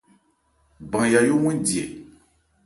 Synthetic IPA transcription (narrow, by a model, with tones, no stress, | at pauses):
bã˨ŋja˨jo˦wɛ̃˦ndi˨ɛ̰˨